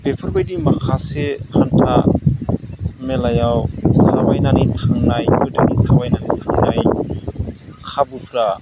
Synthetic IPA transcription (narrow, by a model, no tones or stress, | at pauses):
b̥epʰɔɾbajdimakʰasehantʰa | mɛlajawt̪ʰawajnanit̪ʰaŋnajɯdanit̪ʰawajnanit̪ʰaŋnaj | kʰabupʰɾa